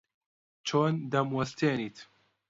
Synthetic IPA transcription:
t͡ʃʰoːnd̪ɐmwɐst̪eːniːt̪

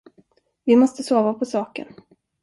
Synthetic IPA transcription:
vɪmɔst̪əsoːvapʰɔsɑːkə̰n

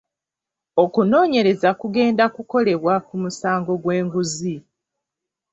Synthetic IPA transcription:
o̞kuno̞ːɲe̞ɾe̞zakuɡe̞ːndakuko̞le̞βwakumusaːŋɡo̞ɡwe̞ːŋɡuzi

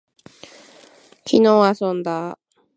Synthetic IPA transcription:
kʲino̞ːasõnd̪a

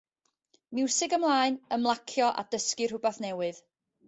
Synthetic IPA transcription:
mɪwsɪɡamlˠaːɨnəmlˠakʰjɔʔa̰d̥əskɨr̥hʊbaθnɛwɨð̥

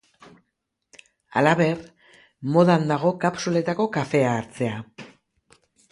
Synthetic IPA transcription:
a̰laβe̞r | mo̞ðand̪aɣ̞o̞kapsule̞t̪ako̞kafe̞aːɾt͡se̞a

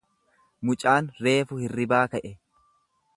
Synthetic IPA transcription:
mʊt͡ʃʼaːnɾe̞ːfʊhɪrːɪbaːkɐʔɛ

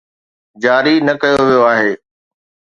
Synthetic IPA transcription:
d͡ʑaːɾinɐkɐjoʋijoaːɦeː

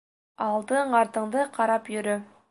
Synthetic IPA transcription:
ɑlˠd̪ɤɴɑɾt̪ɤ̆ɴd̪ɤqʰɑɾɑpjɵ̆ɾɵ

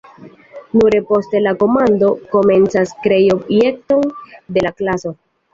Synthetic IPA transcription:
nuɾe̞po̞ste̞lako̞mando̞ko̞me̞nt͡saskɾe̞jo̞bje̞k̚to̞nde̞laklaso̞

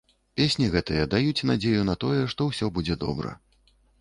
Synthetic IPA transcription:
pʲesʲnʲiɣɛt̪ɨjɛd̪ajut͡sʲnad͡zʲejun̪ɐt̪ɔjɛʂt̪ɔwsʲɔbud͡zʲɛd̪ɔ̰bɾɐ̰

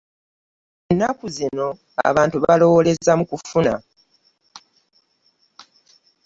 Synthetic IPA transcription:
enːakuzino̞ | a̰βaːntuβalo̞wole̞zamukufuna

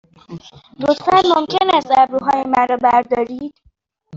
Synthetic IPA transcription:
lot̪fænmomcʰenæst̪æbɾuɦɒːjemæɾɒːbæɾd̪ɒːɾiːd̪̥

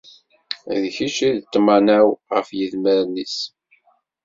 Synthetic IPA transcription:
ðçiʃiðt̪ːmanæwʁəfjəðməɾnːis

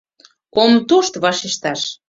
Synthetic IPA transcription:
omt̪oʃt̪βɑʃeʃt̪ɑʃ

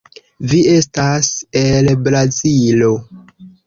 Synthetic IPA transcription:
vie̞stase̞lbɾazilo̞

